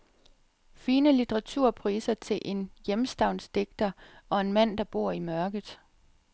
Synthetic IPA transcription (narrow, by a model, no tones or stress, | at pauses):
fiːnəlit͡sʰəʁɑ̈t͡sʰuɐ̰pʰʁḭːsɐt͡sʰe̝lʔe̝njemsd̥ɑ̈ʊ̰nsd̥e̝ɡ̥̚d̥ɐɒ̽e̝nmæn̰d̥ɑ̈b̥o̝ɐ̰imɶɐɡ̥əð̩ˠ